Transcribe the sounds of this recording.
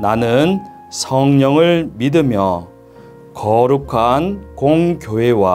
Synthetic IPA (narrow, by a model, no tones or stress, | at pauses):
nanɯn | sʰʌŋɲʌŋɯɭmidɯmjʌ | kʌɾukʰankoŋkjoɦe̞wa